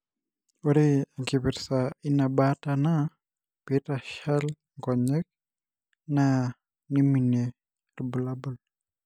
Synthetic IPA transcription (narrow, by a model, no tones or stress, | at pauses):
oɾeaɡiβiɾsainabatana | petaʃal | ŋɡɔɲɛk̚ | na | nimine | rbulabul